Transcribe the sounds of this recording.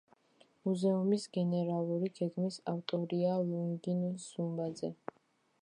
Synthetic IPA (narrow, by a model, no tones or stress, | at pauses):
muzɛumisɡɛnɛɾalˠuɾiɡ̥ɛɡmisaft̪ʼɔɾialuŋɡinsumbad̪zɛ